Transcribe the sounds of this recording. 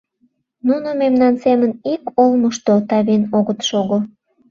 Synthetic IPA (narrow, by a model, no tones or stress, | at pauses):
nunomemnɑnsemənikolməʃt̪ot̪ɑβenoɣət̪ʃoɣo